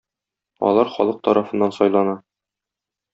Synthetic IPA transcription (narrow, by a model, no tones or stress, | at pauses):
ɒ̰lˠɑɾχɒ̰lˠɤq̚t̪ɒɾʔɑfɤ̆nːɑnsɒjlˠɑnɑ